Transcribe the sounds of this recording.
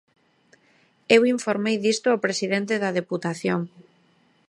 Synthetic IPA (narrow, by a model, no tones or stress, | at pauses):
ewiɱfoɾmejðist̪oaopɾesiðent̪eðaðeput̪aθjoŋ